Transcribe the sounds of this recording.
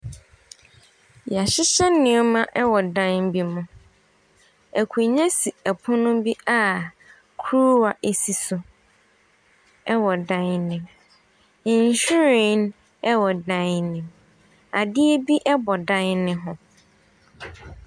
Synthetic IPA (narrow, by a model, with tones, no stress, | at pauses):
ja˨ɕɪ˦ɕɛ˦nːɪ̃˨ɔ˦mã˦ʔɛ˦wɔ˨dã˦n˦bi˦mʊ̃˨ | æ˨kʰu˨ɲɛ̃˦si˨æ˨pʰʊ̃˦nʊ̃˦bi˦a˦ | kʰu˦wa˨ʔe˨si˨sʊ˨ | ɛ˦wɔ˨dã˦nnɪ̃˨m̩˨ | ɲ˨ɕᶣu˦ɾĩ˨n | ɛ˦wɔ˨dã˦nnɪ̃˨m | a˨dɪ˦e˦bi˦ʔɛ˦bɔ˨dã˦nnɪ̃˦ɦʊ̃˨